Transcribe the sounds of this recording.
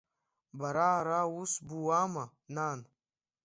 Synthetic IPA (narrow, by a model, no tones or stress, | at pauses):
baɾaɾawusbuwama | naːn